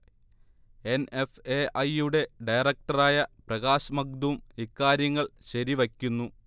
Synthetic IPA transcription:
e̞nefeːʔɐjuɽe̞ɖɐjrɐk̚ʈɐraːjɐprɐɣaːɕɐmɐɡ̚d̪uumikːaːɾjɐŋːɐɭɕɐɾiʋɐkʲːunːu

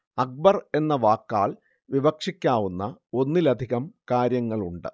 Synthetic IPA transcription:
ɐk̚bɐre̞nːɐʋaːkːaːɭ | ʋibɐkʂikʲːaːʋunːɐo̞nːilɐd̪ʱiɣɐmkaːɾjɐŋːɐɭuɳɖɨ

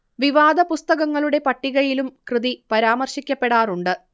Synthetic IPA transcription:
ʋiʋaːd̪ɐpust̪ɐɣɐŋːɐɭuɽe̞pɐʈːiɣɐjilumkrɨðipɐɾaːmɐrɕikʲːɐpːe̞ɽaːruɳɖɨ

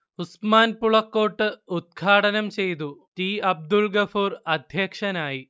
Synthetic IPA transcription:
usmaːnpuɭɐkːo̞ːʈːɨud̪̚ɡʰʱaːʈɐnɐmt͡ɕe̞jt̪̬ut̪iːɐb̚d̪ulɡɐfuːrɐd̪ʱjɐkʂɐnaːji

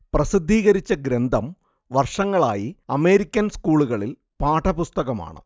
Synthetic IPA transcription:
prɐsid̪ʱːiːɣɐɾit͡ɕːɐɡɾend̪ʱɐm | ʋɐrʂɐŋːɐɭaːjiɐme̞ːɾikʲːɐnskuːɭuɣɐɭil | paːʈɐpust̪ɐɣɐma̰ːɳɨ̰

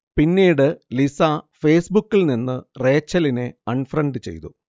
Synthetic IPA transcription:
pinːiːjɽɨlisafe̞ːsbukːilninːɨre̞ːt͡ɕːɐline̞ɐɳɖfrɐɳɖɨt͡ɕe̞̰jt̪u

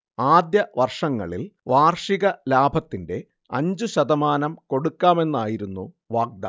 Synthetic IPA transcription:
aːd̪jɐʋɐrʂɐŋːɐ̰ɭilʋaːrʂiɣɐlaːbʱɐt̪ːinde̞ | ɐ̰ɲd͡ʑuɕɐd̪ɐmaːnɐmko̞ɽukːaːme̞nːaːjiɾunːṵ | ʋaːɡ̚d̪ɐ̰

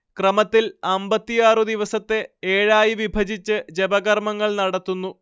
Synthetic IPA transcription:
krɐmɐt̪ːilɐmbɐt̪ːijaːrɨd̪iʋɐsɐt̪ːe̞eːɻaːjiʋibʱɐd͡ʑit͡ɕːɨd͡ʑebɐɣɐrmɐŋːɐɭnɐɽɐt̪ːunːu

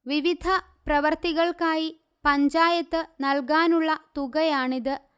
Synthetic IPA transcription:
ʋiʋid̪ʱɐ | prɐʋɐrt̪iɣɐɭkaːji | pɐɲd͡ʑaːjɐt̪ːɨnɐlkaːnuɭːɐt̪uɣɐjaːɳiðɨ

